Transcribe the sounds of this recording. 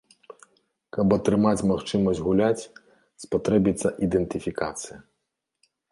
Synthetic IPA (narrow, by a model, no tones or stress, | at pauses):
kɐbɐt̪ɾɨmat͡sʲmaxt͡ʂɨmɐsʲd͡zʲɣulʲat͡sʲ | spat̪ɾɛbʲit̪sːɐʔid̪ɛnt̪ɨfʲika̰t̪sɨjɐ